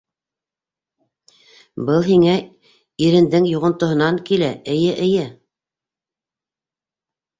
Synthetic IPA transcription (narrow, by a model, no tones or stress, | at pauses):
bɤlˠɦiŋæ | iɾɘ̆nd̪ɘŋjŭʁɤ̆nt̪ŏɦɤ̆nɑŋkilæɘ̆jɘʔɘ̆jɘ